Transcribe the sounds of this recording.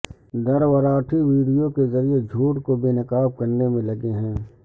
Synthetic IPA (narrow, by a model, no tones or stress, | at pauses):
d̪ɐɾwəɾaːʈʰiʋiːɖijõkezɐɾied͡ʒʱuːʈkobeːnɐkaːb̚kɐɾnemẽlɐɡeɦɛ̃ː